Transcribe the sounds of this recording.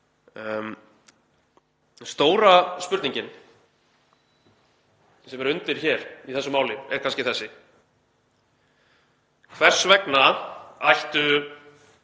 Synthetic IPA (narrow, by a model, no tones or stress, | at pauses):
m | st̪oːwɾaspʏɾt̪nĩɲcɪn | sɛmɛɾʏnt̪ɪɾ̥çɛɾ̥iθɛsʏmaːwlɪɛ̰ɾ̥kʰans̬cɪθɛsːɪ | kʰvɛr̥svɛknaajht̪ʏ